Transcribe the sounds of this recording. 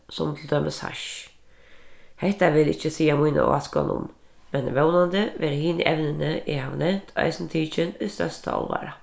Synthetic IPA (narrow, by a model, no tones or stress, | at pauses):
sɔmt̪ʰld̪øːməsha̰ʃ | hɛht̪aʋɪlɪt͡ʃːəsiːamuina̰askɔ̰nʊ̰m | mɛnʋɛwnand̪əʋɛːɾhiːnə̰ʔɛʋnənəʔɪhaʋnɛnt̪ʰɑ̰ɪsnt̪ʰiːt͡ʃɪnʊst̪œst̪ʰa̰ɔ̰lʋa̰ːɾa